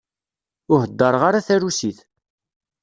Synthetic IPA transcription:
ʊɦəd̪ːəɾˤʁaɾaθæɾusiθ

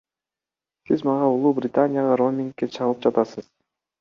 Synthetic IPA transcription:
sizmɑʁɑulˠuːbrʲɪt̪anʲɪjaʁɑɾo̞mʲiŋkːet͡ʃʰɑʁɯlˠɯp̚d͡ʒɑt̪ɑsɤz̥

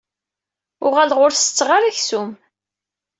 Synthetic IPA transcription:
ʊʁælʁʊɾsət͡sːʁaɾæçsum

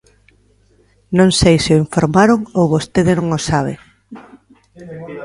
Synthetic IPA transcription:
nõŋsejsɪoiɱfoɾmaɾoŋowβost̪eðɪnõŋosaβ̞ɪ̰

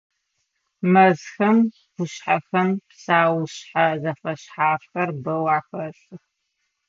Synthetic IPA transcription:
mɐzxɐm | ɡʷʊɕħaxɐmpsaːwɕħazɐfɐɕħaːfxɐrbɐwaːxɐɬɨx

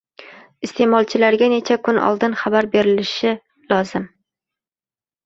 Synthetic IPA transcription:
ɪst̪e̞mɒlˠt͡ʃʰɪlaɾɡʲane̞t͡ʃʰakʰʊnɒ̰lˠd̪ɪnχabaɾbe̞ɾɪlɪʃɪ | lɒzɪm

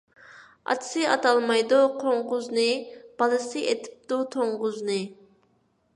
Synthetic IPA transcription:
ɑ̰t̪ʰsɨɑ̰t̪ɑlˠmɑjd̪uqʰoɴʁʊznɨb̥ɑlˠɨsɨʔet̪ʰɪ̥p̚d̪̥ut̪ʰoɴʁʊznɨ

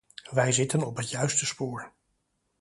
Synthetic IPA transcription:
ʋɛjzɪtənɔpɦətjœɥstəspʊːɹ

